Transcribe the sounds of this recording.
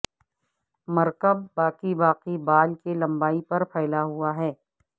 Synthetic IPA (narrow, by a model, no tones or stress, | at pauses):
mɐɾkəb̚ːaːqibaːqibaːlkelɐ̃mbaːipɐɾpʰɛːlaɦuaɦɛː